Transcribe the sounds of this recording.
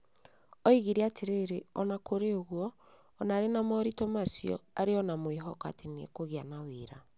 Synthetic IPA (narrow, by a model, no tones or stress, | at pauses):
ɔiɣiɾeateɾeɾeɔnakoɾeoɣwɔː | naːɾenamɔɾitɔmasiɔ̰aɾeɔnamwiɦɔka̰tenḛkoɣianaweɾa